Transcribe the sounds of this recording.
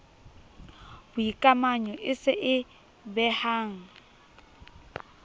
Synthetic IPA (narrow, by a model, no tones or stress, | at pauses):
bʊikʼamaɲɔʔɪsɪʔɪ | bɛhaːŋ̩